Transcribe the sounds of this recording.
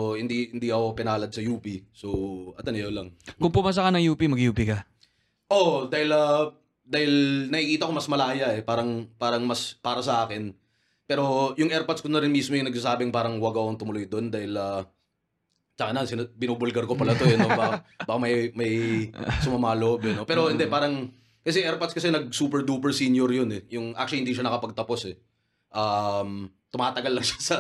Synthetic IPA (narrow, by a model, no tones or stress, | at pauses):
hɪnd̪ihɪnd̪iɐkopɪnaːlɐd̪̚sɐjuːpisoʔɐt̪ɐnɐjolɐŋkʊŋpʊmaːs̬ɐkɐnɐŋjuːpimɐɡjuːpikɐ | ʔod̪aːhɪla | d̪aːhɪlnɐhɪkiːt̪ɐʔɐkomɐsmɐlaːjɐʔɛpaːɾɐŋpaːɾɐŋmɐspaːɾɐsɐʔaːkɪn | pɛːɾo̞jʊŋʔɛɾpot̪skonɐɾɪnmismojʊŋnɐɡ̚saːsaːbɪŋpaːɾɐŋwɐɡɐɐkoŋt̪ʊmʊlojd̪o̞nd̪aːhɪlɐː | t͡ʃɐkɐnɐnsɪnbɪnuːbʊlɡɐɾkopɐlɐt̪ojɐnobɐkbɐkamɐjmɐjsʊmɐmaːlobɛno̞pɛːɾohɪnd̪ɛpaːɾɐŋ | kɐs̬ɛʔɛɾpɐt̪skɐsɛnɐɡ̚suːpɛɹd̪uːpɛɹsiːnjoɾjonɛjʊŋʔa̰k̚t͡ʃʊlihɪnd̪iːʃanɐkɐpɐɡ̚t̪ɐpo̞sɛ | ʔam | t̪ʊmaːt̪ɐɡalːɐŋʃḁsɐ